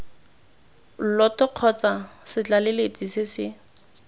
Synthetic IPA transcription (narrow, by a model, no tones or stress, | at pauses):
l̩lɔtɔq͡χʰɔt͡sasɪt͡ɬalɪlet͡sʼisɪsɪ